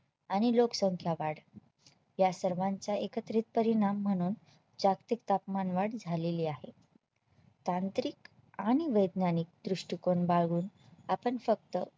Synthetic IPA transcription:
aɽ̃iloksəŋkʰjaʋaɽ | jasəɾʋãɲt͡saekət̪ɾit̪̚pəɾiɽ̃amːəɽ̃uːn | d͡ʑakt̪ik̚t̪apmanʋaɽd͡zʱaleliːaɦe | t̪ant̪ɾik | aɽ̃iʋəjd̪nanik̚d̪ɾuʂʈikoɳbaɡuːnapəɳfək̚t̪ə

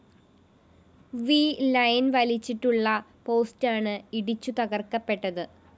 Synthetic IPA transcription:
ʋiːlɐjnʋɐlit͡ɕːiʈːuɭːɐpo̞ːstaːɳɨiɽit͡ɕːut̪ɐɣɐrkːɐpːe̞ʈːɐðɨ

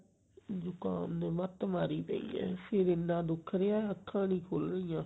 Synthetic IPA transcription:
d͡ʒʊkaːneʋət̪maːɾiːpɛ̰̃ḭ̃ːɛ̰ːpʰɪɾɪnːãːd̪ʊkʰɾeãːəkʰːãːnĩːkʰolɾəijãː

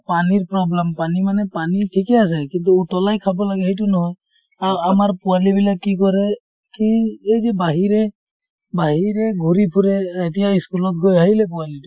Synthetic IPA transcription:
paniɹpɹɔblɛmpanimanɛpanitʰikɛas̬ɛkint̬uːtɔlajkʰabɔlaɡɛɦejt̬unɔɦɔj | aamaɹpʊalibilakːikɔɹɛ | kiejzɛbaɦiɾɛ | baɦiɹɛɡʱuɹipʰuɾɛetijaiskulɔt̚ɡojaɦilɛp̬ualitu

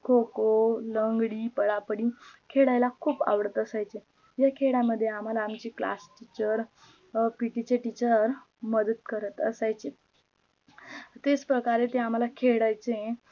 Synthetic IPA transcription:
kʰokoləŋɡɽiːpəɽapəɽikʰeɽajlakʰuːpa̰ʋɽət̪əsajt͡se | jakʰeɽaməd̪ʱːjeam̤alaːmt͡ɕiːkla̰sʈit͡ɕəɾ | piʈit͡ɕeʈit͡ɕəɾ | məd̪ət̪kəɾət̪əsajt͡se | t̪et͡spɾəkaɾet̪eam̤alakʰeɽajt͡se

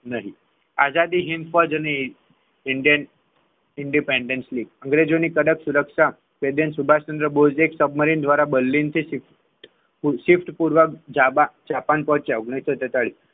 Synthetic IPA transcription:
nəɦi | azad̪iɦind̪fəd͡ʒəne | ɪɳɖijən | ɪɳɖipeɳɖensliɡəŋɡɾed͡ʒonikəɽəksuɾəkʂa | ʋed̪jənsubʱaʃənd̪ɾəbod͡ʒeksəbməɾind̪ʱʋaɾabəlːint̪ʰisif | ʈ | usifʈpuɾʋəkd͡ʒaad͡ʒapanpɔ̃ɦt͡ʃeoɡɳiʃət̪et̪əɭi

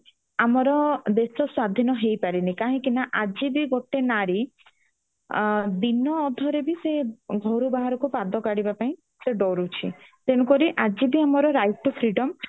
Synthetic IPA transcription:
amɔɾɔd̪esɔswad̪ʱinɔɦejpaɾinikaɦĩkinaʔad͡ʒibiɡoʈenaɾi | d̪inɔːd̪ʱɔɾebiseɡʱɔɾubaɦaɾɔkupad̪ɔkaɽibapaĩ | seɖɔɾut͡ʃʰḭt̪eɽ̃ukɔɾiʔad͡ʒibiamɔɾɔɾajʈ̚ʈupʰɾiɖɔm

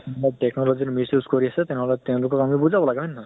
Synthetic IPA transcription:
batɛknɔlɔziɹmisuskoɹiasɛt̪ɛnɛɦɔlɛt̪ɛʊ̃lʊkɔkamibuzabɔlaɡɛbɛnɦɔj

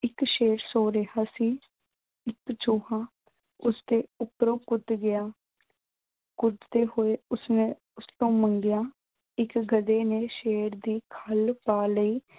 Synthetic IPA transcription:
ɪkʃeːɾsoːɾeɦaːsiː | ɪkt͡ʃoːɦãː | ʊsd̪eːʊpɾõːkʊd̪ɡɪjaː | kʊd̪d̪eːhoːeːʊsnẽː | ʊst̪õːməŋɡɪjaː | ɪkɡəd̪eːneːʃeːɾd̪iːkʰəlpaːləiː

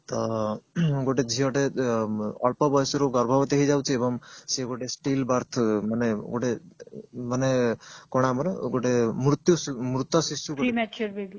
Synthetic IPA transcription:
t̪ɔ | ɡoʈed͡ʒʱiɦɔʈe | ɔ̰lpɔbɔjsɾoɡɔɾbʱɔbt̪eɦid͡ʒawt͡ʃʰiebɔŋseɡoʈesʈilbaɾt̪ʰmaneɡoʈe | manekoɽ̃amɔneɡoʈemɾut̪jumɾut̪ɔsisuɡo

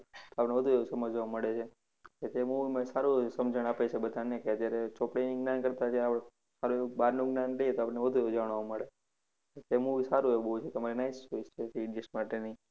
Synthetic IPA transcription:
t̪oapneʋəd̪ʱueusəməd͡ʒʋaməɭet͡ʃʰe | ket̪emuʋimãsaɾusəmd͡ʒʱəɽ̃apet͡ʃʰebəd̪ʱanekeəd͡ʒ̪jaɾet͡ʃopɽeniɡnankəɾt̪at͡ʃʰieaɭ | saɾuebaɾnuɡnanlejet̪oapəɽneʋəd̪ʱueud͡ʒaʋɳ̃ʋaməɭe | et̪emuʋisaɾueubəut͡ʃʰet̪əmaɾinaist͡ʃoist͡ʃʰet̪iɖd͡ʒisʈmaʈeni

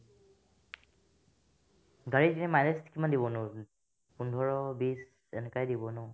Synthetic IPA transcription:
ɡaɹitinɛmajneskimandibɔnʊ̃ | pundʱɔɹɔbis | ɛnɛkajdibɔnʊ

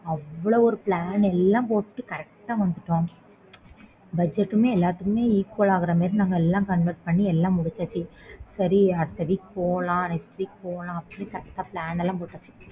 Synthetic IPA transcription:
ɐʋːɯɭoːɔɾɯpɭaːnɛlːãːpoːʈʈːɯkɐɾɛkʈːaːʋɐnd̪ɯʈːõː | bɐd͡ʒɛʈːɯmeːɛlːaːt̪ːɯkɯmeːiːkːoːɭaːɣɪɾɐmeːɾɯ̃naŋɡɐɛlːãːkɐnʋɐɾʈ̚pɐɳːiɛlːãːmʊɽɪt͡ʃːaːt͡ʃːisɐɾiɐɽɯt̪ːɐʋiːpoːɭãːnɐɪst̪ɾipoːɭãːɐpːɐnekɐɾɛkʈ̪ːaːpɭaːnɛlːãːpoːʈːat͡ʃːi̥

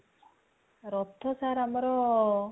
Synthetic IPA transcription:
ɾɔt̪ʰːɔsaɾamɔɾɔ

